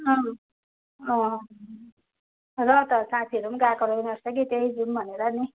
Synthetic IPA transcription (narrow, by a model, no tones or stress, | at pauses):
ʌ̃ | ʌ̃ | rʌt̪ʌsãt̪ʰiʌɾumɡakʌɾoɡnʌɾsʌɡit̪eɦid͡zumbʱʌneɾʌni